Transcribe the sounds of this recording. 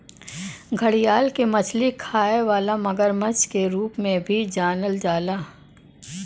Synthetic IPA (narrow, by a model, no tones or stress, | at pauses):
ɡʱəɽijaːlkemɐt͡ʃʰlikʰaːeʋaːlamɐɡəɾmət͡ʃkeɾuːpmẽbʱid͡ʒaːnəld͡ʒaːlaː